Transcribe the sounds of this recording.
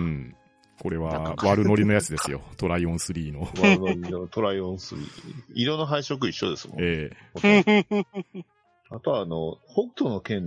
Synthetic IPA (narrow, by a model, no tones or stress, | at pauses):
ɯ̟̃ɴ | ko̞ɾe̞βaβaɾɯno̞ɾʲino̞jat͡sɨd̪e̞sɨjo̞t̪o̞ɾaiõ̞ɰ̃sɨɾʲiːno̞βaɯnoɾʲinot̪o̞ɾaiõɰ̃sɨɾʲḭːiɾõ̞nːoɦaiɕok̬ɯ̟iɕːo̞̰d̪e̞sɨmõ̰eː | at̪oaːnohokɯ̥t̪onokẽ̞n